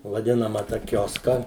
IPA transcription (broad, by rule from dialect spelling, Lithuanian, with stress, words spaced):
ʋɐˈdʲɪnɐmɐ tɐ ˈkʲoːskɐ